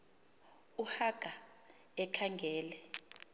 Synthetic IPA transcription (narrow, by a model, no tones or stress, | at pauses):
uhaɡ̥ʱa | ɛkʰaŋɡʱɛːlɛ